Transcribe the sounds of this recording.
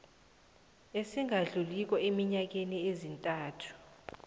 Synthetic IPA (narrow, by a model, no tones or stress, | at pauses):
esiŋaɮulik̬ʼɔemiɲak̬eniezintʼaːtʰu̥